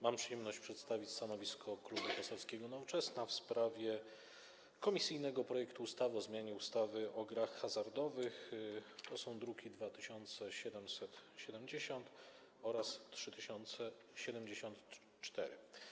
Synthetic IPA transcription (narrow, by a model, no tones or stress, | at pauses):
mampʂɨjɛmnɔɕt͡ɕpʂɛt̪st̪avʲit͡ɕst̪anɔvʲiskʰɔklubukɔsɔfskʲɛɡɔnɔvɔt͡ʂɛsnafspɾavʲjɛ | kɔmʲisɘjnɛɡɔpɾɔjɛkt̪uust̪avɘɔzmʲjaɲɛust̪avɘʔɔɡɾaxːazaɾd̪ɔvɘxt̪ɔsɔ̃w̃d̪ɾukʲid̪vat̪ɘɕɔnt̪sɛɕɛd̪ɛmsɛt̪ɕɛd̪ɛmd͡ʑeɕɔnt̪ | ɔɾastʂɘt̪ɘɕɔnt̪sɛ | ɕɛd̪ɛmd͡ʑeɕɔnt̪ | t͡ʂt̪ɛɾɘ̰